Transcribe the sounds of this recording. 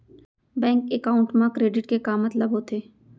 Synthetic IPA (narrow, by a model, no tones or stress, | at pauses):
bɛ̃ːŋkekaːʊ̃ɳʈmãkɾeːɖɪʈkekaːmət̪ləbɦot̪ʰeː